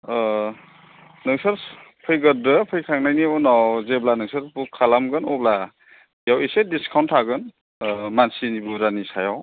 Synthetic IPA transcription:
nɯŋsaɾ | pʰɯjɡɯɾɯpʰɯjkʰaŋnajniɔnawzeblanɯŋsaɾpukʰalamɡɯnɔbla | jawisediskʰawntʰːaɡɯn | mansinibuɾanisajaw

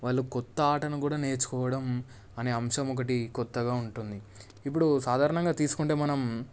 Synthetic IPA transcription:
ʋaːɭːukɔt̪ːɐaːʈɐnukuːɽaːne̞ːɾt͡ʃu̥kɔːʋɐɽɐm | ɐne̞ːɐmʃɐmɔk̬ɐʈikɔt̪ːɐɡaːuɳʈund̪i | ip̬ːuɽusaːd̪ʱaːɾɐɳɐŋɡaːt̪iːsu̥kuɳʈe̞ːmɐnɐm

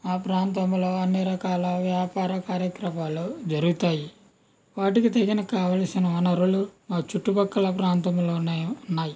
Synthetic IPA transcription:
aːpɾaːnt̪ɐmlo̞ːɐnːiɾɐkaːlɐʋjaːpaːɾɐkaːɾjɐkɾɐmaːlud͡ʒɐɾuɡut̪aːji | ʋaːʈikit̪ɐɡinɐkaːʋaːlsinɐɐnɐɾulumaːt͡ʃuʈːubɐkːɐlɐpɾaːnt̪ɐmlo̞ːneːunːaːji

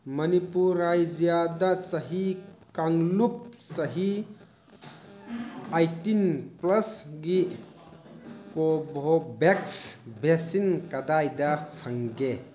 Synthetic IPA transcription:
mɐnipuɾajd͡ʒijadasɐɦikaŋlup̚sɐɦi | ajtinplɐsɡi | pɔbʱobeksbesinkɐdajdɐkʰaŋɡe

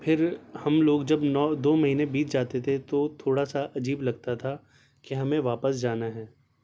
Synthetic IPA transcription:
pʰɪɾhɐmloːɡd͡ʒɐbnɔd̪oːmɐɦiːnẽbiːt͡ʃʰd͡ʒaːt̪et̪ʰet̪ot̪ʰoːɽasaʔɐd͡ʒiːblɐɡ̚t̪at̪ʰa | kiɦɐmẽʋaːpəs̬d͡ʒaːnaɦɛː

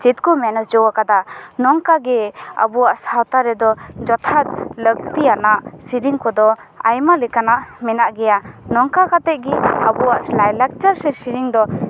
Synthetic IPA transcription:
t͡ʃit̪̚kɔmɛnɔd͡ʒɔwakad̪anɔŋkaɡɛa̰buwaʔsawt̪aɾɛd̪ɔd͡ʒɔt̪ʰat̪̚lək̚t̪ianaʔsiɾiŋkɔd̪ɔ | a̰jmalɛkanaʔmɛnaʔɡɛjanɔŋkakat̪ɛʔ̚ɡɛabuwaʔlajlak̚t͡ʃaɾsɛsiɾiŋd̪ɔ

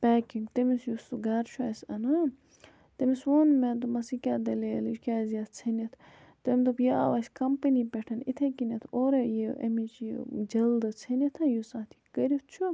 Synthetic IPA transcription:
paːkiŋɡt̪ɐmisjust̪uɡaːɾt͡ʃʰuasɐnɐ | t̪emisoːnmẽnd̪umɐsikʲaːd̪ɐleːlit͡ʃkʲaːziat̪̚ʰt͡sʰɐnɐt̪ʰ | t̪emʲd̪upjea̰ːʋasʲkɐmpɐnipeʈʰɐnit̪ʰekinɐt̪ʰoːɾejeʔɐ̰mit͡ʃjḛd͡ʒɐld̪ɨt͡sʰɐnit̪ʰɐ̃jusaːt̪ʰi̥kɐɾʲit̪ʰt͡ʃʰu

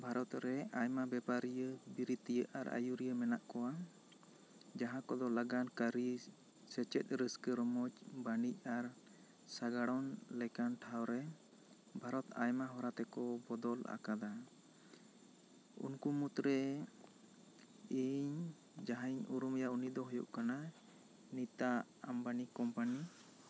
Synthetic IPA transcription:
bʱaɾɔt̪ɾɛajmabɛpaɾijəbiɾit̪ijəʔa̰ɾa̰juɾijəmɛnaʔkɔwa | d͡ʒaɦãkɔd̪ɔlaɡankəɾi | sɛt͡ʃɛt̪̚ˀɾəskəɾmɔd͡ʒbanic̚ˀaɾ | saɡaɽɔnlɛkanʈʰawɾɛ | bʱaɾɔt̪a̰jmaɦɔɾat̪ɛkɔbɔd̪ɔla̰kad̪a | ṵnkumut̪ɾɛ | iɲ | d͡ʒaɦaɲuɾumjaunid̪ɔɦujṵʔkana | nit̪a | a̰mbanikɔmpani

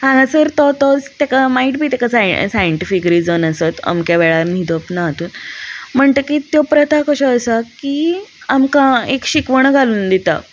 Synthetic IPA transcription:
hãɡasəɾt̪ɔt̪ɔd͡zt̪ekamaiːʈbʱiːt̪ekasajsajəɳʈifikɾid͡zənəsət̪ə̰mkjaʋɛɭaɾnid̪opnaɦt̪uːnm̤əɳt̪əkiːt̪jopɾət̪ʰakəɕəəsakiːamkãekɕikʋəɳ̃ɡʱaluːnd̪it̪a̰

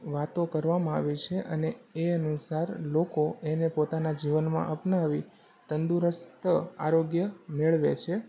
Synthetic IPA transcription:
ʋat̪okəɾʋamãaʋit͡ʃʰeʔəneeənusaɾlokoenepot̪anad͡ʒiʋənmã̰ʔəpnaʋi | t̪ənd̪uɾəst̪əa̰ɾoɡjəmeɭʋḛt͡ʃʰe

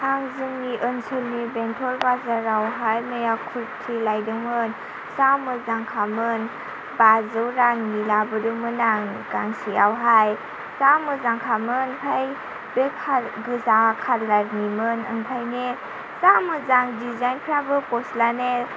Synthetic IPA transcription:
haŋzɯŋniʔɯnsɯlnibentʰɔɾbazaɾawɦajmejakʰuɾtʰilajdɯŋmɯn | samɯzaŋkʰamɯn | bazɯwɾaŋnilabɯdɯmɯnaŋɡaŋsiawɦaj | samɯzaŋkʰamɯnpʰaj | bekʰaɡɯzakʰatlaɾnimɯnɯ̰npʰajne | samɯzaŋdizajnpʰɾabɯpɔslane

